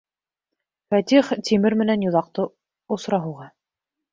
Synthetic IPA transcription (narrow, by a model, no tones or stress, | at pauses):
fæt̪iχt̪imɘɾmɘ̆nænjŏðɑq̚t̪ɤ | ŏsɾɑɦŭwʁɑ